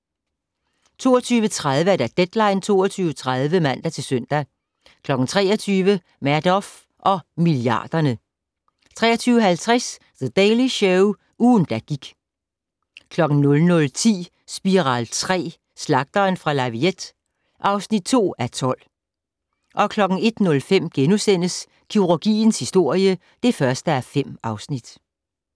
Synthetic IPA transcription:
t͡sʰo̝̰ːɒt͡sʰyːʋət͡sʰʁað̞ˠʋəæɐd̥æd̥ed̥lɑ̈ɪ̰nt͡sʰo̝̰ːɒt͡sʰyːʊət͡sʰʁað̞ˠʋəmæn̰d̥ɐt͡sʰe̝lsœn̰d̥æ | kʰlɒ̽ɡ̥n̩t͡sʰʁɛ̰ːɒt͡sʰyːʋə | mæɐd̥ɒf | ʔɒ̽miliɑ̰̈ːd̥ɐnə | t͡sʰʁɛ̰ːɐt͡sʰyːʊəɦælt͡sʰʁɛs | ðəd̥ɛɪliɕœʊ | uːn̩d̥æɡ̥iɡ̥ | kʰlɒ̽ɡ̥n̩nɔ̽lnɔ̽lt͡sʰḭː | sb̥iʁɑ̈ːlt͡sʰʁɛ̰ː | slɑ̈ɡ̥̚d̥ɐːnfʁɑ̈lɑ̈ʋied̥ | ʔɑ̈ʊsnid̥̚t͡sʰo̝̰ːæɐt͡sʰɒ̽l̰ | ʔɒ̽kʰlɒ̽ɡ̥n̩e̝d̥nɔ̽lfem̰ɡ̥enusen̰əs | kʰiʁuɡ̥ḭːn̩shisd̥o̝ɐ̰jə | d̥e̝fɶɐsd̥əæɐfem̰ɑ̈ʊsnid̥

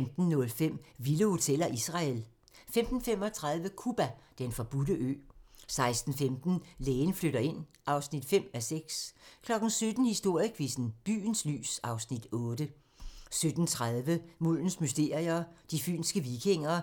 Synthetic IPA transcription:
md̥n̩ːɔ̽lfem̰ʋiləho̝t͡sʰel̰ɐʔisʁɑ̈el | femd̥n̩fem̰ɒ̽t͡sʰʁɑð̞ˠʋəkʰub̥æd̥enfɒ̽b̥udəʔø̰ːsɑ̈ɪsd̥n̩femd̥n̩leːnfløɾɐe̝n̰ | ɑ̈ʊsnid̥fem̰æseɡ̥skʰlɒ̽ɡ̥n̩sød̥n̩hisd̥o̝ɐ̰jəkʰʋisn̩b̥y̰ːn̩sly̰ːsɑ̈ʊsnid̥ɔːdə | sød̥n̩t͡sʰʁað̞ˠʋəmul̰n̩smysd̥e̝ːɐ̰ʁiɐːd̥ify̰ːnsɡ̥əʋikʰe̝ŋ̰ɐ

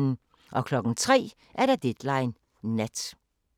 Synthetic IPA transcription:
nn̩ | ʔɒ̽kʰlɒ̽ɡ̥n̩t͡sʰʁɛ̰ː | ʔæɐɾɑd̥ed̥lɑ̈ɪnː | æd̥

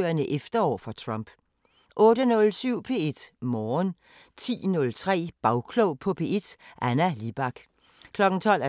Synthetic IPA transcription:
ɐnəʔefd̥ɐɒ̰ːfɒ̽t͡sʰʁɑmb̥ | ʔɔ̽ːɾ̥ənɔ̽lsyʊ̰pʰe̝ːe̝d̥mɒːn | t͡sʰḭːnɔ̽lt͡sʰʁɛ̰ːb̥ɑ̈ʊkʰloʊpʰɒ̽pʰe̝̰ːʔed̥ʔænælib̥ɑ̈ɡ̥ | kʰlɒ̽ɡ̥n̩t͡sʰɒ̽l̰æɐ

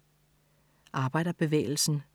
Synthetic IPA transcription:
ʔɑ̈ːb̥ɑ̈ɪ̰d̥ɐb̥e̝ʋḛːɪl̩sn̩

